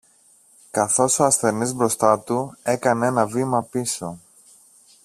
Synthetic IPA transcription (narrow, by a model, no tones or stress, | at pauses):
kɐθo̞soɐsθe̞nizbɾo̞st̪ɐt̪ue̞kɐnee̞nɐvimɐpiso̞